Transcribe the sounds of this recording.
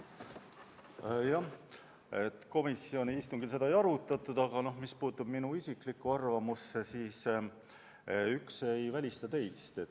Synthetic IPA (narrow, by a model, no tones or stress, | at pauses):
jɑ | e̞t̪ko̞misːio̞niist̪uŋɡ̥ilse̞d̪ɑejɑɾut̪ːˑɑt̪ːˑud̪̥ɑɡ̥ɑno̞hmispuːt̪ːˑub̥minuisiklikːuɑrvɑmusːe̞siːs | ykse̞jvælʲist̪ɑt̪e̞jst̪e̞